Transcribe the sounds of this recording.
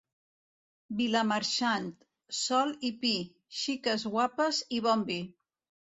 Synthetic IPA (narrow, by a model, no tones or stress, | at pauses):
biləməɾʃant̪ | sɔlipi | ʃikəzɣwapəziβɔmbi